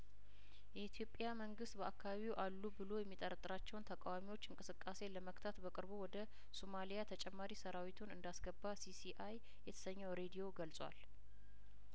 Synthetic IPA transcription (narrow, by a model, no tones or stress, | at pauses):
jɛit̪ʰjo̞pʼːjaməŋɡɨst̪bəakʰːaβaβiwʔalːubɨlo̞jɛmːit̪ʼəɾt̪ʼɨɾat͡ʃːɛwnt̪ʰəkʼawamiwo̞t͡ʃːɨŋkʼɨsɨkʼːase̞ləməkt̪ʰat̪bəkʼɨɾbuwɔd̪ə | somalijat̪ʰət͡ʃʼɛmːaɾisəɾawit̪ʰunɨnd̪asɡəbːasisiʔaj | jɛt̪ʰə̥səɲːɛwɾe̞d̪ijo̞ɡəlsʼwa̰l